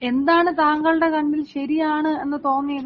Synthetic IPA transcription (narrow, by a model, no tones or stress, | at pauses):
e̞nd̪aːɳɨt̪aːŋɡɐɭɨɽe̞kɐɳːilɕɐɾijaːɳɨe̞nːɨt̪oːnːijɐð